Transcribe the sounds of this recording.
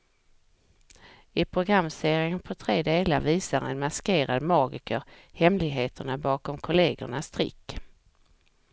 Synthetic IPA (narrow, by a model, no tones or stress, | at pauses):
ɪpʰɾʊɡɾamːseːɾɪŋənpʰɔt̪ʰɾeːd̪eːlaɾviːsaɾɛ̰nmaskeːɾad̪mɑːɡɪkəɾhɛmlɪɡɦeːt̪ʰəɳabɑːkɔmkʰʊleːɡʊ̰ɳast̪ɾɪ̰kː